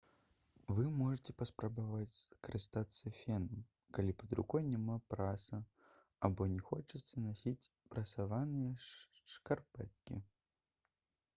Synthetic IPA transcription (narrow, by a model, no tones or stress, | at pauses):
vɨmɔʐɨt͡sʲɛpɐspɾɐbavat͡sʲkɐɾɨst̪at̪sːɐfʲɛnɐm | kalʲipɐd̪ɾṵkɔjnʲɛmapɾasɐ | abɔnʲɛxɔt͡ʂɨt̪sɐnasʲit͡sʲ | pɾɐsavanɨjɐʂkarpɛ̰t̪̚kʲḭ